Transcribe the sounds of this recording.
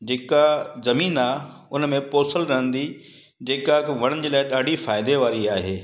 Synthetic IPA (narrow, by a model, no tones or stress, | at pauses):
d͡ʑeːkazɐmiːnaː | ʊnmẽpoːsəlɾɐɦə̃nd̪i | d͡ʑeːkakʋɐɽ̃əɪ̆d͡ʑeːlaːɪɗaːɖifaːɪd̪eʋaːɾiaːɦeː